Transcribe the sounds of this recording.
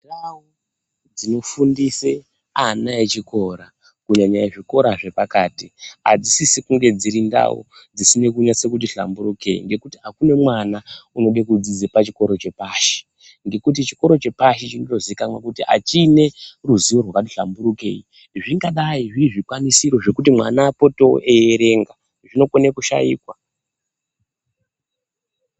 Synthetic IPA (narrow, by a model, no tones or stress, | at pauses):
ndau | d͡zino̞fundise | anaet͡ʃiko̞ɾa | kuɲaɲaiʐiko̞ɾaʐe̞pakaːtia̰d͡zisisikuŋɡe̞d͡ziɾinda̰wo̰ | d͡zisine̞kuɲat͡sekutiɬa̰mbuɾuke̞ḭŋɡe̞kutiakune̞mwanauno̞ɓekud͡zid͡zepat͡ʃiko̞ɾo̞t͡ʃe̞paʃe̥ | ŋɡe̞kut̬it͡ʃi̥ko̞ɾo̞t͡ʃe̞paʃet͡ʃino̞to̞ziikamwakutiʔa̰t͡ʃiːne̞ruziʋorwakat̬iɬambuɾuke̞̰i | ʐiŋɡaɗaiʐiːʐikwanisiɾo̞ʐe̞kutimwa̰naːpo̞to̞ʔejeɾe̞ŋɡa | ʐino̞konekuʃa̰jḭːkwa